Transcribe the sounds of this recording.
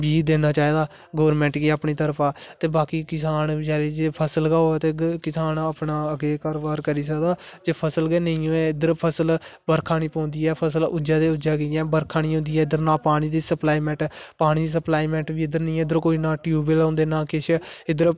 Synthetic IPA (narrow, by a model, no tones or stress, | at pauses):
biːd̪eːnaːt͡ʃaːiːd̪aː | ɡoːəɾmɛ̃ːɳʈɡeːaːpɳiːt̪əɾpʰaːt̪eːbaːkiːkɪsaːnd͡ʒɛːɾeːd͡ʒeːpʰəsəlɡaːoɛːt̪eːkɪsaːnaːpnaːəɡeːkaːɾoːbaːɾkəɾiːs̬əkd̪aːd͡ʒeːpʰəsəlɡeːnəĩːõːɛɪd̪əɾpʰəsəlbəɾkʰaːɽ̃ĩːpɔ̃ːnd̪iːɛːpʰəs̬əlʊd͡ʒaːd̪eːʊd͡ʒaːɡəɛ̃ːbəɾkʰaːɽ̃ĩːɦʊ̃nd̪iːɛːɪd̪əɾnaːpaːɽ̃iːd̪iːsəplaːiːmɛ̃ːɳʈpaːɽ̃iːd̪iːs̬əplaːiːmɛ̃ːɳʈbiːɪd̪əɾnəĩːɪd̪əɾkoːiːnaːʈjuːbelãːnd̪eːnaːkɪʃʰɪd̪əɾ